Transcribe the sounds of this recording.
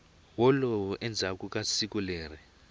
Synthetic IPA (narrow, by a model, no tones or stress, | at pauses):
wɔlɔwʔɛnd͡zʱakʼukʼasik̬ʼuleːrɛ